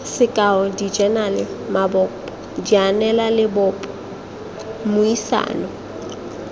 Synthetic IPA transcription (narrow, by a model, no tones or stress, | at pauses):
sɪkʼaɔdid͡ʒɛnalɪmabɔpʼɔ | dianɛlalɪbʊpʼɔ | mʊisa̰ːnɔ